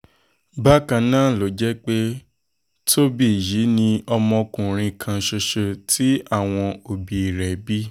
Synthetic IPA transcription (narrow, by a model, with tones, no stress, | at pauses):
ba˦kã˧nãː˦˨lo˨d͡ʒɛ˦k͡pe˦ | tʰo˦bi˦˨ji˨˦nĩ˧ɔ˧mɔ̃˧kũ˨ɾ̃ĩ˧kʰã˧ʃo˧ʃo˧tʰi˦a˦˨w̃ɔ̃˧o˨bi˨i˨ɾɛ˨bi˦